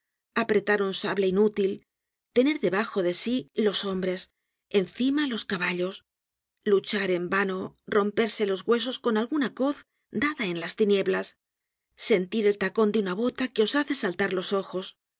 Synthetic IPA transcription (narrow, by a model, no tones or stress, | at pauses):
apɾe̞t̪aɾunsaβleinut̪il | t̪e̞ne̞ɾðe̞βaxo̞ðe̞silo̞so̞mbɾe̞s | e̞nθimalo̞skaβaʎo̞s | lut͡ʃaɾe̞mbano̞ro̞mpe̞ɾse̞lo̞zɣwe̞s̬o̞sko̞nalɣunako̞θ | d̪aðae̞nlast̪inje̞βlasː | e̞nt̪iɾe̞lt̪ako̞nd̪eunaβo̞t̪ake̞o̞saθe̞salt̪aɾlo̞so̞xo̞s